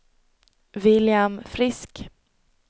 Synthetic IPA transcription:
vɪljamfɾɪsk

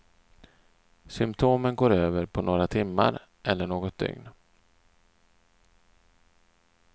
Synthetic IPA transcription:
sʏmpt̪ʰoːmənɡoːɾøːvəɾpʰɔnoːɾat̪ʰɪmːa̰ɾ | ʔɛlːəɳoːɡɔt̪̚d̪ʏ̰ŋn

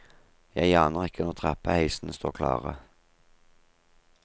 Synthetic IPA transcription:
jæɪɑːnəʁɪkʰːənɔʁt̪ʰʁɛpəhæɪsn̩əst̪o̰ːʁkʰlɑ̰ːʁə̰

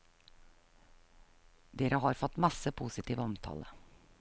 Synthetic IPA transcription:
d̪eːɾəɦɑːɾfɔt̪mɑsəpʰuːsɪt̪ʰiːʋəɔmt̪ʰɑ̰ːlə

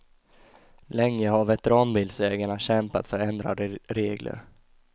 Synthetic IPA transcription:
lɛŋːəhaɾvɛt̪ɛɾɑːnbɪlsɛːɡaɳaɕɛmpa̰t̪fœɾɛnd̪ɾa̰d̪əɾeːɡlʔə̰ɾ

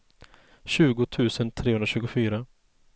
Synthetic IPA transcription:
ɕʉ̟ːɡʊt̪ʰʉ̟ːsənt̪ʰɾeːhɵnaɕʉːɡʊfyːɾa

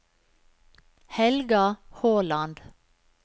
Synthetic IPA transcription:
hɛlɡɑhoːlɑnd̪

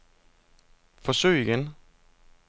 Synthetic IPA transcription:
fɒsø̰ːɪɡən

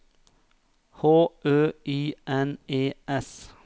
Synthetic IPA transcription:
hoːʔøːʔiːʔɛneːʔɛs

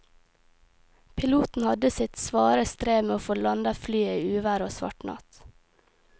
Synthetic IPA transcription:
pʰɪluːt̪n̩hɑd̪əsɪt̪sʋɑːɾəst̪ɾeːmeːoːfoːlɑnd̪ɑflyːiːʉːʋæɾoːsʋɑ̰ʈnɑ̰t̪

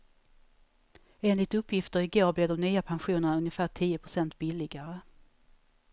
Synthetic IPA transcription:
eːnlɪt̪ɵpːjɪft̪əɾɪɡoːɾblɛːvd̪ɔmnyːapʰanɧuːnəɳaɵnjəfæːʈʰiːəpʰɾʊsɛnt̪̚bɪlːɪɡaɾə

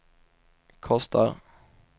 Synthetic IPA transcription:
kʰɔst̪ʰa̰ɾ

